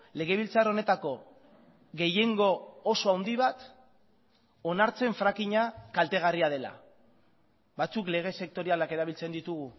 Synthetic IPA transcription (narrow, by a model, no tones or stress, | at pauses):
le̞ɣ̞e̞β̞ilt͡saro̞ne̞t̪ako̞ | ɣe̞je̞ŋɡo̞ːso̞awnd̪iβat̪ | o̞naɾt͡se̞ɱfɾakiɲakalt̪e̞ɣ̞ariað̞e̞la̰ | βat͡sukle̞ɣ̞e̞se̞k̚t̪o̞ɾialake̞ɾaβilt͡se̞nd̪it̪uɣ̞u